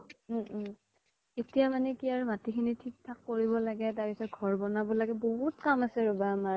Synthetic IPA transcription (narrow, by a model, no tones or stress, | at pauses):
etijamanɛkiaɹmatikʰinitʰik̚tʰakːoɹiβɔlaɡɛtaɹpisɔt̚ɡʱɔɹbɔnabʊlaɡɛboɦutkamasɛɹɔbama